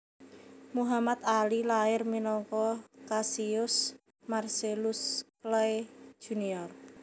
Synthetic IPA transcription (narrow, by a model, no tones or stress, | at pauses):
muɦamat̪̚alilaɪrminɔŋkɔkasiʊs | marselʊsklaed̥ʒ̥ṳniɔrk̚